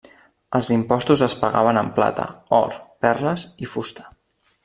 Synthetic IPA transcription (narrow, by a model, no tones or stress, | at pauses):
əlˠzimpɔst̪uzəspəɣa̰β̞ənəmpla̰t̪ə̰ɔ̰ɾpɛrləzifust̪ə̥